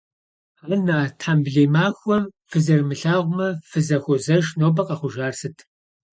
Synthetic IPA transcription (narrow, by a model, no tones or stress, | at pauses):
aːnaːtʰħambɮeːmaːxʷɔfɨzɐrmɨɬaːʁʷʊmɐfɨzɐxʷʊzɐʃnoːbɐqɐχʷʊʒaːrsɨtʰ